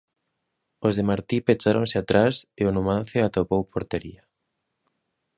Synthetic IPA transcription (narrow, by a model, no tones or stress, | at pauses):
ozðemaɾt̪ipet͡ʃaɾoŋsɪat̪ɾaseʊnumãn̟θeat̪opowpoɾt̪eɾḭɐ